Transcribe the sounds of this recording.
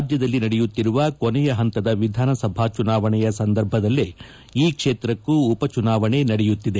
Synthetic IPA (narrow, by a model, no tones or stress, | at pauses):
d͡ʒjɐd̪ɐlːinɐɽɛjut̪ːiɾuʋɐkonɛjɐɦɐnt̪ɐd̪ɐʋid̪ʱaːnɐsɐbʱaːt͡ʃunaːʋɐɳɛjɐsɐnd̪ɐɾbʱɐd̪ɐlːi | iːkʂeːt̪ɾɐkːuːpɐt͡ʃunaːʋɐɳe̞nɐɽɛjut̪ːid̪e